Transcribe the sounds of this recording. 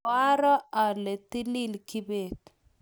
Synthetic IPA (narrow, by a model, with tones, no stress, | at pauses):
a˦ɾɔ˦a˨lɛ˨t̪i˦li˦lki˦be˨t